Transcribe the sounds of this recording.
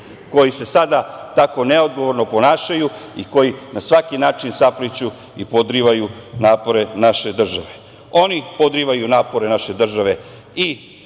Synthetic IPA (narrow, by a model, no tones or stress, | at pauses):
ko̞jise̞sad̪at̪ako̞neo̞d̪ɡo̞ʋo̞ɾnopo̞naːʃajuiko̞jinasʋakinaːt͡ʃinsaplit͡ɕu | ipod̪ɾiʋajunaːpo̞ɾe̞naʃe̞d̪r̩ʒaʋe | o̞nipod̪ɾiʋajunaːpo̞ɾe̞naʃe̞d̪r̩ʒaʋe̞ | i